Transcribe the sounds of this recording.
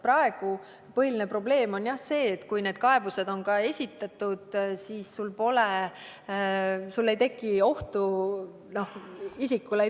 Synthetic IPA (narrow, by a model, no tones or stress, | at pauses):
prɑe̞ɡ̥u | pɤɦilinepro̞ble̞ːmo̞njɑhse̞ːt̪ːkujne̞ːd̪̥̚kɑe̞buse̞d̪̥o̞nkɑe̞sʲit̪ːˑɑt̪ːˑud̪̥siːsːulpo̞le | sulːe̞jt̪e̞kˑːio̞ht̪u | no̞hisikːule